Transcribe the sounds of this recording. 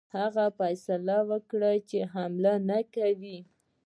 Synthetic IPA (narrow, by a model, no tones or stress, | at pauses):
haɣafajsalawəkɽat͡ʃeɦamlanakawi